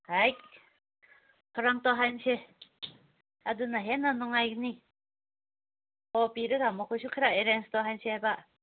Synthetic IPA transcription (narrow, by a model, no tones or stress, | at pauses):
haj | kʰɔɾaŋt̪ɔɦajnse | ad̪unaɦenanɔŋajni | ɔpiɾɯkamɔkʰɔsʰukʰɯɾaeɾenst̪ɔɦansʰiɦajba